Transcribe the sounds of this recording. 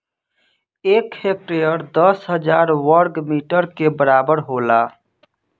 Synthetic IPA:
eːkheːk̚ʈɾeːjəɾd̪əsɦəd͡ʒaːɾwəɾɡmiːʈəɾkebəɾaːbəɾɦoːlaː

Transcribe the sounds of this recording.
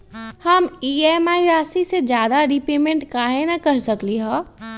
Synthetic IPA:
hɐmiːeːmaːiɾaːsised͡ʒjaːd̪aɾipeːmẽɳʈkaːɦenakɐɾsɐkliɦɔː

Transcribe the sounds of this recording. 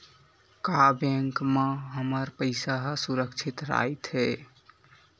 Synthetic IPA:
kabɛ̃ŋkmeɦəməɾpəɪsaɦsuɾəkt͡ʃʰit̪ɾa̰jt̪ɦɛ

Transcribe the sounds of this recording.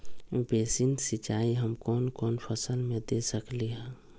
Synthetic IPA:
beːsinsɪt͡ʃaːiɦəmkɔːnkɔːnpʰəsəlmẽd̪eːsəkliɦɛː

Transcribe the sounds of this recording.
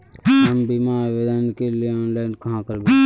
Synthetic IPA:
ɦəmbimaʋed̪ənkelieɔːnlaɪnkɐɦãkəɾbe

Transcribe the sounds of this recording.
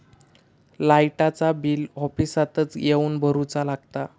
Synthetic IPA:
laiʈat͡sabilɔfisat̪ət͡sjeuːnbʱəɾut͡salaɡt̪a

